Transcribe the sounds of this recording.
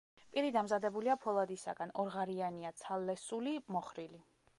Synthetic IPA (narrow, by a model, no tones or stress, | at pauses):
pʼiɾid̪amzad̪ɛbuliapʰɔlˠad̪isa̰ɡanɔɾʁaɾianiat̪sʰalːɛsulimɔχɾili